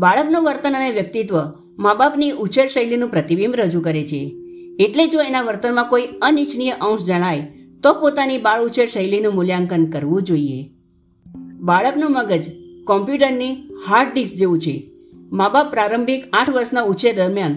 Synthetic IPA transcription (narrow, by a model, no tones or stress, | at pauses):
baɭəpnũʋəɾt̪ənəneʋjək̚t̪it̪ʋə | mabapniʔut͡ʃʰeɾʃəjlinũpɾət̪ibimɾəd͡ʒũkəɾet͡ʃʰḛːʈled͡ʒoenaʋəɾt̪ənmãkoiənit͡ʃnijəʔə̃ʊ̃ʃd͡ʒəɽ̃ajt̪opot̪anibaɭut͡ʃʰeɾʃəjlinũmʊljaŋkənkəɾʋũd͡ʒoiḛ | baɭəknũməɡəd͡ʒkɔmpjuʈəɾnihaɾɖɖisd͡ʒeʋũt͡ʃʰe | mabapːɾaɾəmbʱikãʈʰʋəɾsnaut͡ʃʰed̪əɾmjan